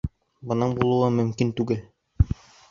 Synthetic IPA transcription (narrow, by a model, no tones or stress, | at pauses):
bɤ̆nɤɴbulˠŭɑmɵ̆mkint̪ʉɡɘl